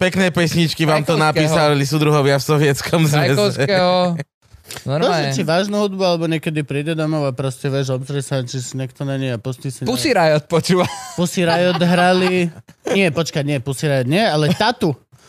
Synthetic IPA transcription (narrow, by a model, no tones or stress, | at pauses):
pɛknɛːpɛsɲit͡ʃkiʋaːmt̪ɔnapiːsallis̬ud̪ɾuɦɔʋɪafsɔʋɪɛt͡skɔmzʋɛsɔsɛkɛɦɔ | nɔɾɔɛt͡ʃiʋaːʒnuɦud̪bualɛbɔɲɪɛkɛd̪ipɾiːɟɛd̪ɔmɔʊapɾɔscɛʋɛʒɔpzɾɛsat͡ʃisiɲɛkt̪ɔnaɲɛapɔstisaɲpusiɾajɔt̪̚pɔt͡ʃuːʋapusiɾajɔd̪ɦɾaliɲɪɛpɔt͡ʃkaɲɪɛpusiɾajɔd̪ɲɪɛalɛt̪at̪u